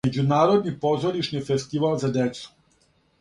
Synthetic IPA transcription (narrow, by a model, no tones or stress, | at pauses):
ed͡ʑunaːɾod̪nipo̞zoɾiʃnifest̪iʋalzad̪et̪su̥